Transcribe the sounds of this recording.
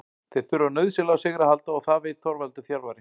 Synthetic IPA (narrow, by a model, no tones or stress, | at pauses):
θejðθʏɾanœɥðsɪlawsɛɣɾahalt̪aɔɣθaðveːjt̪θɔɾvalt̪ʏθjalɾvaɾɪ